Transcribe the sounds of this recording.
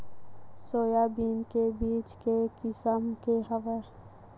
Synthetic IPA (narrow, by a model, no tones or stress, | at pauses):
soːjaːbiːnkebiːt͡ʃkekɪsəmkeɦəʋe